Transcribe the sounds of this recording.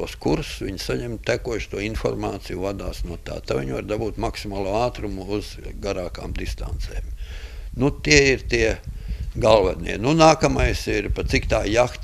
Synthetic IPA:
uɔskuɾsʋiɲsaɲɛmt̪ækuɔʃt̪uɔinfɔ̰ɾmaːt̪sijuvad̪aːsnuɔt̪a̰ːt̪aʋiɲvaɾd̪abuːt̪maksimaːlˠuːaːt̪ɾumʊuz̥ɡaɾaːka̰ːmd̪ist̪a̰nt̪sɛ̰ːmnut̪iɛiɾt̪iɛɡalˠʋɛd̪nḭɛnunaːkɐmajsiɾpasikt̪aːjaxt̪

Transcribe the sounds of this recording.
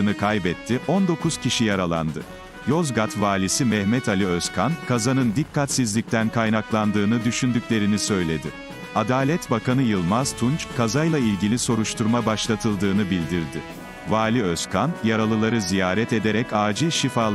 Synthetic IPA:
ɯnɯkʰajbɛt̪ʰːiʔo̞nd̪o̞kuz̥cʰiʃijaɾalˠa̰nd̪ɯ | jo̞zɡat̪vaːlʲisimɛhmɛt̪alʲiøskʰankʰazanɯnd̪ikʰːat̪sizlʲic̚t̪ʰænkʰajnaklˠand̪ɯːnɯd̪yʃynd̪ycʲlʲe̞ɾinisø̞jlʲe̞d̪ɪ | ad̪aːlʲɛt̪bakʰanɯjɯlˠmaz̥t̪ʰunt͡ʃkʰazajlˠailʲɟilʲiso̞ɾuʃt̪ʰuɾmabaʃlˠat̪ʰɯlˠd̪ɯːnɯbilʲd̪iɾd̪ɪ | vaːlʲiøskʰanjaɾalˠɯlˠaɾɯzijaːɾɛt̪e̞d̪eɾɛcaːd͡ʒɯʃifaːlˠ

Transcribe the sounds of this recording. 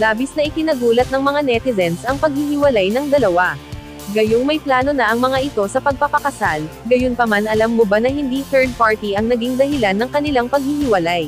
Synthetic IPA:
laːbɪsnɐʔɪkɪnɐɡuːlɐt̪̚nɐŋmɐŋanɛt̪ɪzɛnsɐŋpɐɡ̚hɪɦɪwɐlajnɐŋd̪ɐlɐwa | ɡɐjoŋmɐjplaːno̞nɐʔɐŋmɐŋaʔɪt̪o̞sɐpɐɡ̚pɐpɐkɐsalɡɐjonpɐmanʔɐlamːobanɐhɪnd̪iθɛɹd̪̚paɹt̪iʔɐŋnɐɡiŋd̪ɐhɪlanːɐŋkɐnɪlaŋpɐɡ̚hɪhɪwɐlaj

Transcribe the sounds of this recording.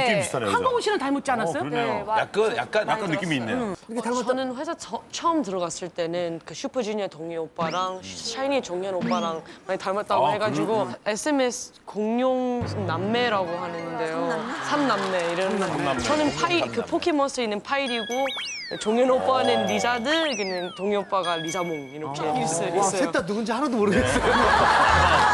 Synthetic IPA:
ianeaŋɡoŋoɕʰinantaɭmot̚t͡ɕianas͈ʌjojak̚k͈anja̰k̚k͈anjak͈anːɯk͈imiːnːeʌnɯnɸesʰaʌt͡ɕʰʌʌmtɯɾʌɡas͈ɯɭt͈e̞nɯnkɯɕʰupʰɯd͡ʑuɲʌtoŋiop͈aɾaŋt͡ɕʰainit͡ɕoŋjʌnop͈aɾaŋmaɲitaɭmot͈̚aɡoɦe̞ɡad͡ʑiɡoe̞sʰɯemesʰɯ̥koŋɲjoŋsʰmnamːe̞ɾaɡohanɯnde̞josʰamnamːe̞iɾʌnt͡ɕʌnɯnpʰaikɯpʰokʰemʌs͈ʰɯinːɯnpʰaiɾiɡo | t͡ɕoŋjʌnop͈anɯnɾid͡ʑadɯkɯnɯntoŋiop͈aɡaɾid͡ʑamoŋiɾʌkʰeis͈ɯʌeotanuɡɯnd͡ʑeɦanadomoɾɯɡes͈ʌjo

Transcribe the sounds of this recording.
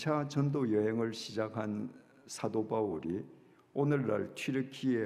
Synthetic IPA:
t͡ɕʰat͡ɕʌndojʌɦeŋɯɭɕʰid͡ʑakʰan | sʰadobauɾi | onɯɭːa̰ɭtʰwiɾɯkʰie

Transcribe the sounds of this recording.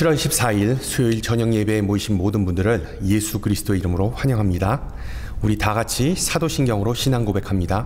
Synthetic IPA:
t͡ɕʰiɾwʌɭɕʰip̚s͈aiɭsʰujoiɭt͡ɕʌɲʌŋje̞beːmoiɕʰinmodɯnbundɯɾɯɭ | je̞sʰuɡɯɾisʰɯ̥d͈oe̞iɾɯmɯɾoɸwaɲʌŋɦamɲida | uɾitaɡat͡ɕʰisʰadoɕʰinɡjʌŋɯɾoɕʰinanɡobe̞kʰamɲida

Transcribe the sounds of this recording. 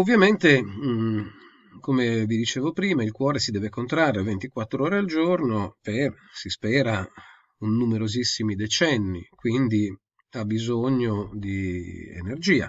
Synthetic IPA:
ovːjament̪e | komevid̪it͡ʃeːvopɾiːmailkwɔːɾesid̪ɛːvekont̪ɾarːevent̪ikwat̪ːɾooːɾeald͡ʒornoper | sispɛːɾa | unːumeɾozisːimid̪et͡ʃɛnːḭkwind̪i | abːizoɲːod̪iḛnerd͡ʒiːa̰

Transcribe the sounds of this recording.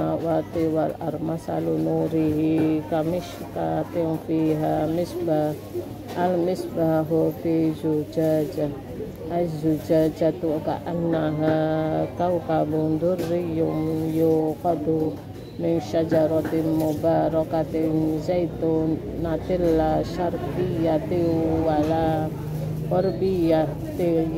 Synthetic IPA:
wat̪iwala̰ɾmasa̰lunuɾiɦikamiʃ | kat̪iŋfiɦamisbaː | lmisbaɦofid͡ʒud͡ʒad͡ʒa | aisd͡ʒud͡ʒad͡ʒat̪uka̰ʔanːaɦakaukabund̪ʊrːijumjokɔd̪u | mɪŋʃad͡ʒaɾɔt̪imobaɾɔkat̪eŋzait̪onat̪ɪlːaʃarpijat̪iuwala | wɔrbija | t̪e

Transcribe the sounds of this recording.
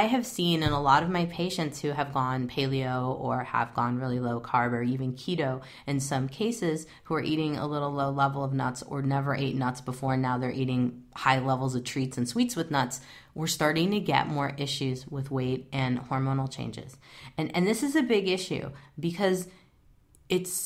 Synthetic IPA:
aɪɨv̥sĩnɨ̃nəlɔɾʌvmaɪpʰeɪʃɨ̃ntshʉɨvɡɔ̃npʰeɪlˠioʊʔə˞ə̰vɡɔ̃nɹɪlˠiloʊkʰɑɹbə˞ivɨ̃nkʰiɾoʊ | ɨ̃nsʌ̃mkʰeɪsɪz̥ | huə˞ʔiɾɪ̃ŋə̰lɪɾl̩ˠloʊlɛvl̩ˠʌvnʌ̰tsə̰˞nɛvə˞ʔeɪtⁿnʌtsb̥əfɔɹnaʊðə˞ʔiɾɪ̃ŋhaɪlɛvl̩ˠzʌv̥tʰɹ̥itsɨ̃n̩switswɨðnʌts | wəɹstɑɹɾɪ̃ŋtʰɨɡɛ̰ʔ̚mɔɹʔɪʃʉzwɪðweɪɾɨ̃nhɔɹmõʊ̃nl̩ˠt͡ʃʰḛ̃ɪ̃nd͡ʒɪ̰z̥ɨ̃nɨ̰̃nðɪsɨzɨbɪɡɪʃʉ̰bɨkʰʌz | ɨts

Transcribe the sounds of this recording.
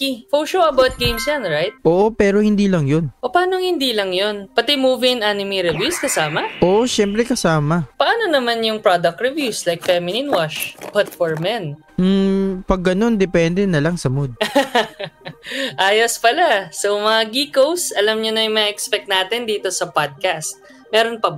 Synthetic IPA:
kifolʃoɐbawt̪̚ɡẽjmsjanɹajt̪̚ʔoːʔopɛːɾo̞hɪnd̪iːlɐŋjonʔopaːnoŋhɪnd̪iːlɐŋjo̞npɐt̪ɛmuːvɪɪnʔanɪmiɾɪvuskɐsaːmɐʔoʔoʃɛmpɾɛkɐsaːmɐpɐʔaːno̞nɐmanjʊŋpɹad̪ɐk̚t̪ɹɪvjuslajk̚fɛmɪninwaʃpat̪foɹmɛn | m̩pɐɡːɐno̞nd̪ɛpɛnd̪ɛnɐlaŋsɐmod̪̚ | ʔaːjospɐlasomɐŋaɡiːkowsʔɐlɐmɲonɐjmɐʔɛkspɛk̚t̪naːt̪ɪnd̪iːt̪o̞sɐpad̪̚kast̪̚ | mɛːɾo̞npɐb

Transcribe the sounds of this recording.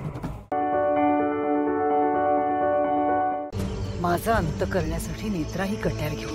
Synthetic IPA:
mad͡zʱaənt̪əkəɾɳjasaʈʰiːnet̪ɾaɦiːkəʈjaɾɡʱew

